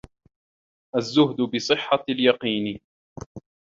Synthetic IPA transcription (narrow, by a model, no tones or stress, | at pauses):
ʔazːʊɦd̪ʊbɪsˤɨħːaljɑqiːn